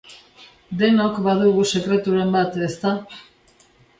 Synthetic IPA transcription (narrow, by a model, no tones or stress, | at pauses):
d̪e̞no̞kbaðuɣuse̞kɾe̞t̪uɾe̞mbat̪e̞st̪a